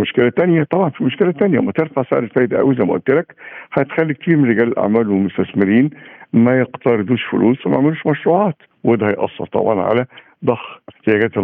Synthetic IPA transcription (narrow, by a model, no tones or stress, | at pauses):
moʃkelæt̪ænjæt̪ˤɑbʕɑnfimoʃkelæt̪ænjæmæt̪eɾfɑʕsḛʕɾelfæːʔd̪æʔæ̰wizæjmæʔʊ̰lt̪ːelækħɑjet̪xælːit̪iːmɾeɡæːlelʔa̰ʕmæːlwemʊst̪æsmɪɾiːnmæjeqt̪ɑɾˤed̪uːʃfʊ̰lʔuːswæmæʕmɪluːʃmæʃɾuːʕɑːt̪ | wed̪æhæjʔɑ̰sˤːɑ̰ɾˤt̪ˤɑ̰bʕɑ̰nʕa̰læ | d̪ˤɑxħt̪ɪjæɡæːt̪